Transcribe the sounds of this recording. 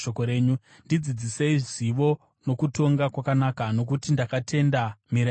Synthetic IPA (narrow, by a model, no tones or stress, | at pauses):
okoɾe̞ːɲu | ndid͡zid͡ziseiʐiʋo̞ | no̞kuto̞ŋɡakwakanakano̞k̬utindakatʰe̞ndamiɾa